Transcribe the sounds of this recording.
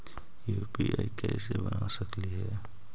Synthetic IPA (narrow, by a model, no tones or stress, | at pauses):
juːpiʔaikɛːsebənasəkliɦɛː